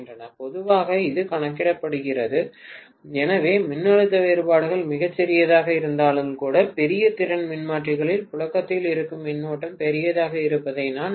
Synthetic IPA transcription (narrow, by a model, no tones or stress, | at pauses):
ndrɐnɐpɔðɯʋaːɣɐɪðɯkɐɳɐkːɪɽɐpːɐɽɯɣɪrɐðɯ | ɛnɐʋeːmɪnːɐɭɯt̪ːɐʋeːɾɯpaːɽɯɣɐɭmɪɣɐt͡ʃːɛɾɪjɐðaːɣɐɪɾɯnd̪aːlɯmkuːɽɐpɛɾɪjɐt̪ɪɾɐnmɪnmaːʈrɪɣɐɭɪlpʊɻɐkːɐt̪ːɪlɪɾɯkːɯmːɪnːoːʈːɐmpɛɾɪjɐðaːɣɐɪɾɯpːɐðɐɪnaːn